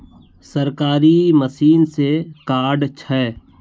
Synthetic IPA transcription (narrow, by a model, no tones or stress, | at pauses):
sɐɾkaːɾiməsiːnsekaːɖt͡ʃʰɛ